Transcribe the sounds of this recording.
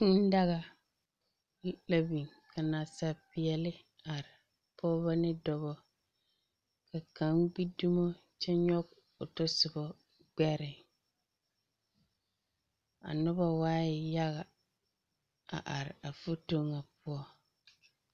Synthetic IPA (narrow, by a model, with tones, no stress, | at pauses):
ɪ˦n̩˦da˦ɣa˨ | ɪ˦la˦bi˨ŋ | ka˨na˨sa˦pɪ˨ɛ˨lɪ˦ | a˨ɾɪ˨ | pʰɔː˦ba˦nɪ˦dɔ˨bɔ˦ | ka˨ka˨˦ŋɡ͡bi˦du˦mo˦ | t͡ʃɛ˦ɲɔ˦ɡ | ʊ˨tɔ˦sɪ˨bɔ˦ | ɡ͡bɛ˦ɾɪ˨ | a̰˨nʊ˦ba˦waː˦ɪ˨ja˦ɣa˨ | a̰˨ʔa˨ɾɪ˨a˨fu˦to˦ŋa˨pʊ˦ɔ˦